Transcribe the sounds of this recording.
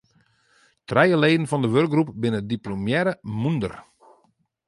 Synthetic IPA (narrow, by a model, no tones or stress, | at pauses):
trɛjəleːdn̩fɔndəʋørk̚ɡrupbɪnədiplomjɛɾəmundə̰r